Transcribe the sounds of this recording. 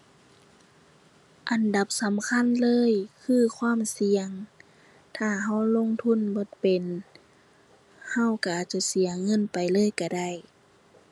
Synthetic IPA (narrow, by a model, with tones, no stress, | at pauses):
ʔa˨nda˧˦p̚sa˨˦mkʰa˧˥˨nlɤː˧˥˨jkʰɯː˧˥˨kʰwaː˧˥˨msi˨˧˦əŋ | t̪ʰaː˧˩ɦa˧˥˩wlo˧˥˨ŋt̪ʰu˧˥˨nbo˧˦t̪̚pe˨n | ha˧˩˨wka˧˩ʔaː˨˩t̪̚t͡ɕa˧˩si˨˦ɐŋɤ˧˥˨npa˨jlɤː˧˥˨jka˧˩da˧˥˩j